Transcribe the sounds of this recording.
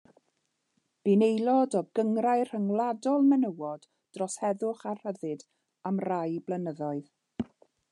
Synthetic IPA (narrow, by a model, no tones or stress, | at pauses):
b̥ɪnejlˠɔdɔɡəŋrajr̥əŋlˠadɔlˠmɛnəwɔd̥ | d̥rɔshɛðʊχar̥həðɨd | amrajblˠənəðɔɨð